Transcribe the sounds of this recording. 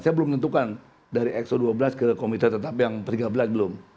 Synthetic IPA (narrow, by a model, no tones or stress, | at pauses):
sajabəlʊmt̪ənt̪ukan | daɾiʔɛksoduabəlaskəkomit̪ərt̪ət̪apjaŋpərt̪iɡabəlasbəlʊm